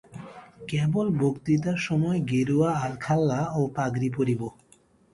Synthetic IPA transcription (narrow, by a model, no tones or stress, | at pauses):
kɛbolbokt̪it̪̬aɾʃɔmɔeɡeɾuaalkʰalːaopaɡɾipoɾibo